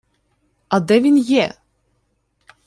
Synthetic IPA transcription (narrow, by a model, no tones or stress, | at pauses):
ɐd̪ɛvʲinjɛ